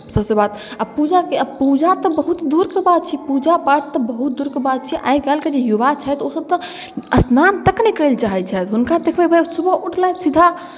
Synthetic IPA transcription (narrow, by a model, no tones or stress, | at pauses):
səbsebaːt̪ | apud͡ʒakeəpud͡ʒat̪ɔbəɦut̪d̪uɾkebat̪̚t͡ʃʰipud͡ʒapaʈt̪ɔbəɦut̪̚d̪uːɾkebaːt̪̚t͡ʃʰiʔa̰ːiɡɛlked͡ʒejubat͡ʃʰɛt̪osəb̚t̪ɔ | əsnant̪əknekəɾelt͡ʃaɦɛt͡ʃʰɛt̪ɦʊnkad̪ekʰbebəsubəuʈʰlasid̪ʱa